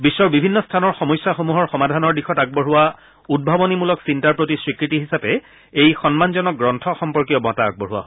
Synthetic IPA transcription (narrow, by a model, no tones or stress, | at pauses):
bisːɔɹbibʱinːɔstʰanɔɹxɔmɔjsːaxomuɦɔɹxɔmadʱanɔɹdixɔtaɡ̚bɔɦʊwa | ud̚bʱabɔnimulɔksintaɹpɹotisɹikɹitiɦisapɛ | ejxɔnmanzɔnɔk̚ɡɹɔntʰɔxɔmpɔɹkiɔmɔtaːɡ̚bɔɦuwa̰